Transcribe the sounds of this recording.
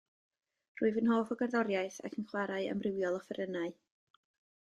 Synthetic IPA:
r̥ʊɨvənhoːfɔɡərðɔɾjaɨθa̰kʰənχwaɾaɨə̰mrɪwjɔlˠɔfɛɾənaɨ

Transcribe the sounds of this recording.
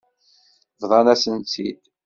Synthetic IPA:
vðˤɑnæsənt̪ʰid̪

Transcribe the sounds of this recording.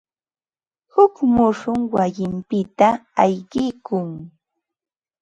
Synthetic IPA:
hʊkmʊʂʊŋwajɪmpɪt̪aːjɢɪkʊŋ

